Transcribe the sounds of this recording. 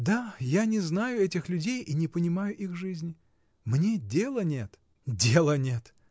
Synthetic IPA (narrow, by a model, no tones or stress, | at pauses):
d̪ajanʲɪznajʊɛtʲɪxlʲʉdʲejʔinʲɪpənʲɪmajʊʔixʐɨzʲnʲɪ | mnʲedʲelˠənʲe̞t̪ | dʲelˠənʲe̞t̪